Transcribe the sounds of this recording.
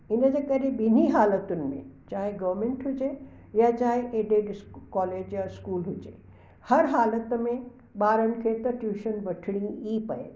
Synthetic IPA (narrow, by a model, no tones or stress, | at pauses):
ɪnəd͡ʑeːkɐɾebɪn̤iɦaːlət̪ʊnɪ̆mḛ̃t͡ɕaːɦeɡɐʋɾmẽːɳʈɦʊd͡ʑe | jat͡ɕaːɦeʔeːɖeːɖɪskɔːleːd͡ʑjaɪskuːlɦʊd͡ʑḛː | hɐɾɦaːlət̪mẽ | ɓaːɾənɪ̆kʰet̪ɐʈjuːʃənbɐʈʰɪɽ̃ĩipɐḛ